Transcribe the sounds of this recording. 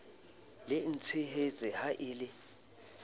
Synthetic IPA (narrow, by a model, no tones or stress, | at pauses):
lɪn̩t͡sʰiɦet͡sʼɪhaʔɪːlɪ